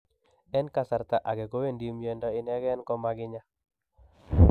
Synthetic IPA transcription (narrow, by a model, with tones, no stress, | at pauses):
ɛ˦nka˦sa˨rt̪a˨ʔa˨ɡɛ˨ɡo˦we˦ndi˦mje˦ndɔɪ˦nɛ˦ɡɛ˦nkɔ˦maɡɪ˦ɲa˦